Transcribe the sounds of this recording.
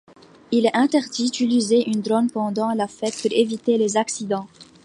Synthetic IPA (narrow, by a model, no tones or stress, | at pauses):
ilɛʔɛ̃t̪ɛʁd̪id̪ylyzeʔynd̪ʁɔnpɑ̃d̪ɑ̃lafɛt̪̚puʁevit̪elezaksid̪ɑ̃